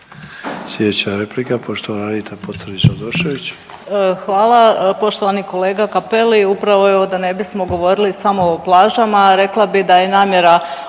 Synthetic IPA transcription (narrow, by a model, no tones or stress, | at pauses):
sljed̪et͡ɕaɾeplikapo̞ʃt̪oʋanaɾit̪apot̪səɾd̪it͡ʃad̪oʃe̞ʋit͡ɕ | əxʋaːlˠapo̞ʃt̪oʋaniko̞le̞ːɡakapeliupɾaʋo̞eod̪ane̞bismo̞ɡo̞ʋo̞ɾilisamo̞ːplˠaːʒamaɾe̞klˠabid̪aje̞naːmje̞ɾa